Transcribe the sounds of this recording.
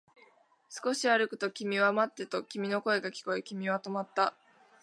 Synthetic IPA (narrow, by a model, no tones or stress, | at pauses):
sɨ̥ko̞ɕiaɾɯ̟kɯ̟̥t̪o̞kʲimʲiβamat̪ːe̞t̪o̞kʲimʲino̞ko̞e̞ɡakʲi̥ko̞ekʲimʲiβat̪o̞mat̪ːa